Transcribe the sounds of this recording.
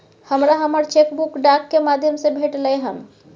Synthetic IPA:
həmɾaɦəməɾt͡ʃekbukɖakːemaːd̪ʱjəmsebʱeʈləjɦən

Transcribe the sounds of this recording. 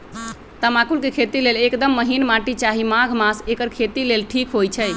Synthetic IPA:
t̪əmakulkekʰet̪ilelekd̪əmːəɦinmaʈit͡ʃaɦimaɡʱmasekəɾkʰet̪ilelʈʰikɦojt͡ʃʰɛj

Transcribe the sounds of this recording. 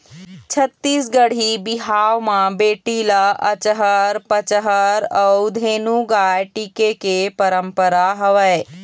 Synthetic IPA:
t͡ɕʰɐt̪ːiːsɡəɽ̤ibiɦaːʋmãbeːʈilaʔɐt͡ʃəɦəɾpət͡ʃəɦəɾɐd̪ʱenũɡajʈikekepɐɾəmpəɾaɦɐʋəe

